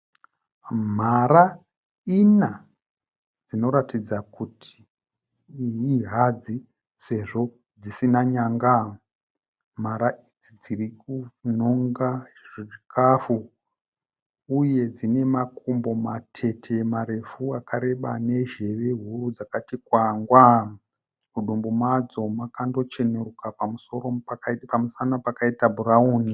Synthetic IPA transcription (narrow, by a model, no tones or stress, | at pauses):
m̤aɾa | ina | d͡zino̞ɾatid͡zakutʰi̥ | iɦad͡zi | se̞ʐo̞ | d͡zisinaɲaŋɡa | m̤aɾaʔid͡zid͡zirikunoŋɡaʐiʐikʰafu | uje̞d͡zine̞makʰumbo̞matʰe̞tʰe̞maɾe̞fuakʰaɾe̞ɓane̞ʒe̞ʋe̞ɦurud͡zakatikwaŋɡwa | muɗumbumad͡zo̞makando̞t͡ʃe̞nerukapamuso̞ro̞pamusanapakaitabʱuɾauːni